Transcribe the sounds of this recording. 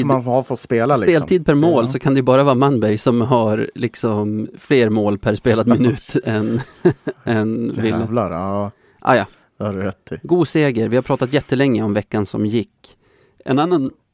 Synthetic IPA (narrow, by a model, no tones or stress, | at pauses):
manhafɔt̪speːlaslɪkpeːlʰiːd̪̚pʰæɾmoːlsɔkʰand̪ɛjɵbɑːɾavɑːmanbæɾjsɔmɦaɾlɪksɔmfleːɾmoːlpʰæɾspeːlad̪mɪnʉ̟ːt̪ɛn | ɛnvɪlvlaɾ | ʔɑ̰ːjɑ | d̪aɾɾɛt̪ʰːɪɡuːseːɡəɾvɪhapʰɾɑːt̪at̪jɛt̪ːəlɛŋːəɔmvɛkːansɔ̰mjɪkː | ʔɛ̰nanːan